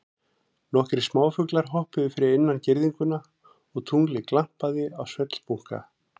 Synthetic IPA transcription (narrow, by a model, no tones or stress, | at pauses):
nɔhkɾɪ̥smaːwfʏklaɾ̥ɦɔhpɪðʏfɪɾɪɪnːancɪɾðiŋkʏna | ɔɣt̪ʰuŋlɪklam̥paðɪawsvœt̪l̥puŋ̥ka̰